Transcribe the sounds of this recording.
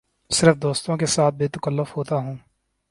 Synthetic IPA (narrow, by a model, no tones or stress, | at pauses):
sɪɾfd̪oːst̪õkesaːt̪̚beːt̪əkəlːəfhoːt̪aɦũː